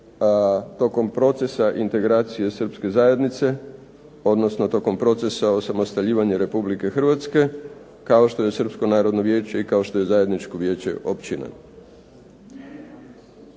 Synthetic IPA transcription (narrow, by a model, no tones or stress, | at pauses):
t̪o̞ko̞mpɾo̞t̪se̞saʔint̪e̞ɡɾaːt̪sije̞srpske̞zaje̞d̪nit̪se̞ | o̞d̪no̞sno̞t̪o̞ko̞mpɾo̞t̪se̞sao̞samost̪aʎiːʋaɲeɾe̞publike̞xr̩ʋat̪ske̞ | kao̞ʃt̪o̞je̞sr̩psko̞naːɾo̞d̪no̞ʋje̞ːt͡ɕe̞ikao̞ʃt̪o̞je̞zaːje̞d̪nit͡ʃko̞ʋje̞ːt͡ɕe̞̰ʔo̞pt͡ɕina̰